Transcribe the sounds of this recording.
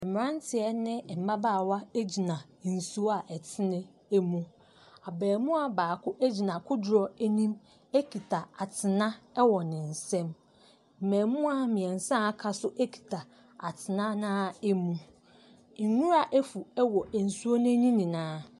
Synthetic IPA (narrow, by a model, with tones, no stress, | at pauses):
ɛ˨m˨ɾã˦n˦tʰɪ˨ɛ˦nɪ̃˦˨m̩˨ba˦baː˦˨wa˦e˦d͡ʑi˨nã˨n̩˨su˦a˨ʔɛ˨tʰɪ˦nɪ̃˦ | e˦mũ˦ | a˨bɛː˨mũ˦a˨baː˨kʊ˦ʔæ˦d͡ʑi˨nã˨kʰʊ˦dɾɔ˨æ˦nĩ˦m | ɛ˦kʰi˨tʰa˨a˨tʰɪ˨nã˦ɛ˦wɔ˨nɪ̃˨n̩˨sɛ̃˦m | m̩˨mɛ̃ː˨mũ˦a˨mĩ˨ɛ̃˨n˨sã˦a˦kʰa˨sʊ˦ʔɛ˦kʰi̥˨tʰa˨ | a˨tʰɪ˨nã˦nãː˦ɛ˦mũ˦˨ | nũ˦ɾa˨ʔæ˦fu˨ɛ˦wɔ˨ʔæ˨n̩˨su˦o˦nɪ̃˦nĩ˦nĩ˨nãː˦